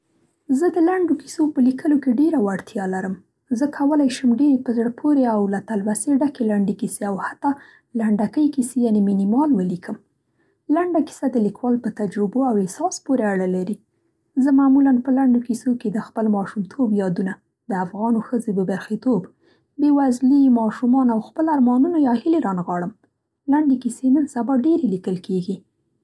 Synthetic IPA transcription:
zəd̪əlaɳɖoki̥sopəlikʰəlokeɖeɾawaɽt̪ʰjɑlaɾəm | zəkʰawəlajʃəmɖeɾepəzɽəpʰoɾeawlat̪alwaseɖakelaɳɖekiseawhat̪ːɑ | laɳɖakəjkisejɑneminimɑlwəlikʰəm | laɳɖaki̥sad̪əlikwɑlpət̪ad͡ʒɾɪboawɪsɑspoɾeaɽalaɾi | zəmamulanpəlaɳɖokisoked̪əxpəlmɑʃumt̪ʰobjɑd̪una | d̪̥əafɣɑnoxəzebəbaɾxit̪ob | bewazlimɑʃumɑnawxpəlaɾmɑnunajɑhileɾɑnɣɑɽəm | laɳɖekisenənsabaɖeɾelikəlkeɡi

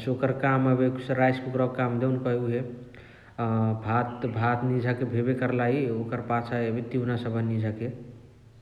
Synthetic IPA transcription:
sokəɾkaməbeksɾajskukɾɔkkamd̪eunkəɦuɦe | bʱat̪bʱat̪nid͡ʒʱakebʱebekəɾlaiokəɾpat͡ʃʰaəbit̪iunasəbʱənid͡ʒʱake

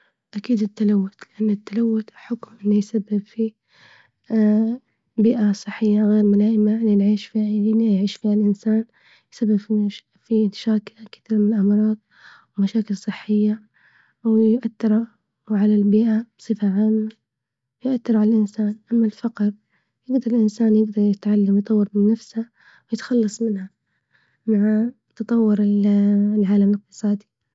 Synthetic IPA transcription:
ʔakiːd̪ɪt̪ːalawːʊt̪lɪʔanːɪt̪ːalawːʊt̪ħʊkmɪlːijsabːɪbfiː | biːʔasˤɨħːɪjːaɣeːɾmʊlaːʔɪmalinʕiːʃfiainjʕiːʃfiːhalʔɪnsaːn | jsabːɪbfi | fit̪ḁʃaːkɪlkɪ̥θiːɾmɪnlʔamɑɾˤɑːd̪̚ | wmaʃaːkɪlsˤɨħːɪjːa | wjʔat̪ːɪɾˤa | wʕalalbiːʔab̥sˤɨfaʕaːmːa | wjʊʔat̪ːɪɾˤʕalalʔɪnsaːnʔamːalfɑqɾ | jɪɡd̪ɑɾˤɪlʔɪnsaːnjɪɡd̪ɑɾˤjɪt̪ʕalːamjt̪ˤɑwːɑɾmɪnːafsa | wjɪt̪xɑlːɑsˤmɪnha | maʕa | t̪ɑt̪ˤɑwːʊɾɪllʕaːlamlɪq̚t̪ɨ̥sˤɑːd̪i

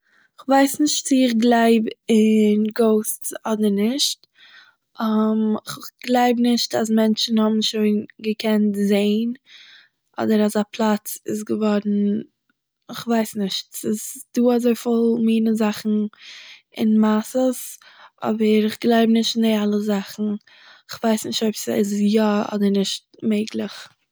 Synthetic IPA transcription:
ɪχvaɪsnɪʃtt͡sɪɪχɡlˠaɪbɪnɡoʊst͡sɔdəɾnɪʃt | amɪχχɡ̥lˠaɪbnɪʃtazmɛnt͡ʃn̩hɔbn̩ʃoɪnɡəkʰɛntzeɪn | ʔɔ̰dəɾazapʰlˠat͡sɪs̬ɡəvɔɾn̩ | ɪχvaɪsnɪʃtsɪsd̥uːazoɪfɪlˠmiːnəzaχn̩ | ɪnmasəsʔɔ̰bəɾɪχɡlˠaɪbnɪʃtɪndialˠəzaχn̩ | ɪχvaɪsnɪʃtoɪpsɪsjaɔ̰dəɾnɪʃt̚meɪɡlˠɪχ

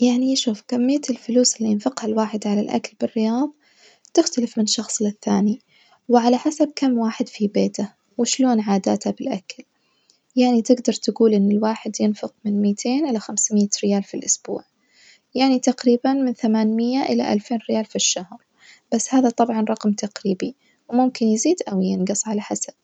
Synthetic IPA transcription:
jaʕniʃuːfkamːɪjːat̪ɪlfʊluːsɪlːijɪnfɪqhalwaːħɪd̪ʕalalʔa̰kalbɪrːɪjɑːðˤ | t̪ɪxt̪alɪfmɪnʃɑxsˤlɪθːaːni | wɪʕalaħasab̚kamːwaːħɪd̪fibeːt̪a | wɪʃloːnʕaːd̪a̰ːt̪habɪlʔakal | jaʕnit̪ɪɡd̪ɑɾˤt̪aɡuːlʔɪnːɪlwaːħɪd̪jɪnfʊqmɪnmiːt̪ʰeːnʔɪlaxamsmɪːaɾɪjaːlfilʔʊsb̥ṵːʕ | jaʕnit̪aqɾiːbanmɪnθamaːnmɪjːaʔɪla̰ʔa̰lfeːnɾɪjaːlfiʃːahɾˤ | b̥asːhaːðat̪ˤɑbʕɑnɾˤɑqmt̪ʰaqɾiːbi | wmʊmkɪnjɪziːd̪ʔawjɪnɡɨsˤʕalaħasab̥̚

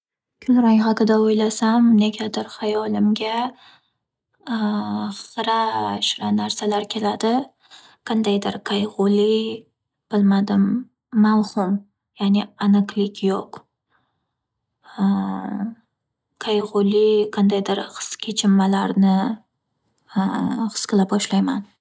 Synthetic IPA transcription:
kʲʰʊlɾajʁɑkɨd̪aojlasamneɡʲad̪ɪɾχajɒlɪmɡʲa | χzɾaʃɾanaɾsalaɾkʲʰe̞lad̪ɪ | qʰɑnd̪ajd̪ɪɾkʰajʁʊli | b̥ɪlmad̪ɪmː | awhʊm | janeanɨqlɪkʲjoq | kʰajʁʊliqʰɑnd̪ajd̪ɪɾχɨ̥skʲʰet͡ʃʰɪmːalaɾnɪ | χɨ̥sqɨlap̚bɒʃlajman

